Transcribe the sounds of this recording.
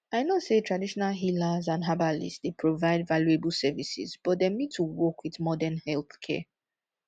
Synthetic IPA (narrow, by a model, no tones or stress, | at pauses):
aɪnɔtsetʰɹadiʃɔnalɦilazãnɦabalḭsdepʰɹovaɪdvaljuebəl̩ˠsɛvisḭzb̥ɔt̚demĩd̚tʰuwɔkwiðmɔdɛnhɛlˠθkʰɛ̰